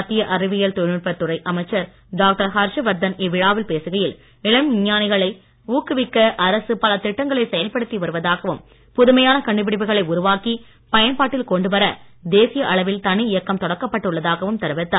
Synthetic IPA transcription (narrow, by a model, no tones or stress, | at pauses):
ɐt̪ːɪjɐʔɐɾɪʋɪjɐlt̪ɔnɯʈpɐt̪ːʊrɐɪʔɐmɐɪt͡ʃːɐɾ | ɖaːk̚ʈɐɾɦɐɾʂɐʋɐɾd̪ɐnɪʋːɪɻaːʋɪlpeːsɯɣɐjɪl | ɪɭɐmɪɲːaːnɪɣɐɭɐɪ | uːkːɯʋɪkːɐʔɐɾɐsɯpɐlɐt̪ɪʈːɐŋɡɐɭɐɪsɛjɐlpɐɽɯt̪ːiʋɐɾɯʋɐðaːɣɐʋɯm | pʊðɯmɐjaːnɐkɐɳɖɯpɪɽɪpɯɣɐɭɐɪʊɾʊʋaːki | pɐjɐnpaːʈːɪlkɔɳɖɯʋɐɾɐd̪eːsɪjɐʔɐɭɐʋɪlt̪ɐnɪɪjɐkːɐmt̪ɔɽɐkːɐpːɐʈːɯɭːɐðaːɣɐʋɯmt̪ɐɾɯʋɪt̪ːaː